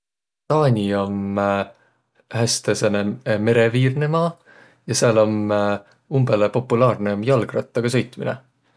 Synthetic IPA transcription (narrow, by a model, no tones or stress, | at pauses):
t̪ɑːnʲio̞m | hæst̪eseneme̞ɾeviːrnemɑː | jɑseɑlom | umbelepo̞pːulɑːrneomjɑlɡ̥rɑt̪ˑːɑɡ̥ɑsɤ̞jt̪minḛ